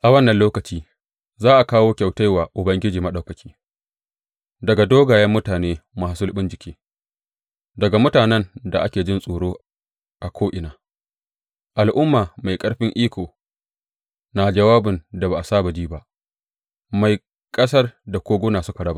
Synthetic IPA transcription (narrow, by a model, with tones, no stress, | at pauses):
ʔa˨wɐ˦nːɐ˨nloː˦kɐ˨t͡ʃiː˦ | zaː˦ʔa˨kaː˦woː˦kʲa˨wta˦jwaː˨ʔʊ˨bɐ˦ŋɡʲɪ˦d͡ʒiː˨mɐ˦ɗa˨wkɐ˨kʲʰiː˦ | dɐ˨ɡa˨doː˦ɡaː˨jɐ˦mːʊ˦taː˨neː˦maː˨sʊ˦lɓɪ˦nd͡ʒɪ˨kʲeː˦ | dɐ˨ɡa˨mʊ˦taː˨nɛ˦nda˨ʔa˦kʲeː˨d͡ʒɪ˦nsʼoː˨ɽoː˦ | ʔa˨kʷʰoː˦ʔɪ˨naː˨ | ʔa˨lʔʊ˦mːaː˨ma˨jkʼɐ˦ɽɸɪ˦ŋʔiː˦kʷoː˨ | naː˨d͡ʒɐ˨waː˦bɪ˨nda˨baː˨ʔa˨saː˦ba˨d͡ʒiː˦ba˦ʔ | ma˨j | kʼɐ˦sɐ˦rda˨kʷoː˦ɡʊː˦naː˨sʊ˦ka˨ɽɐ˦ba˦